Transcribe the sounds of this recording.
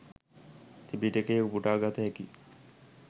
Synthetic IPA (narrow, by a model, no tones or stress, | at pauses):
t̪ʰibiʈekejubuʈaːɡat̪ɐeki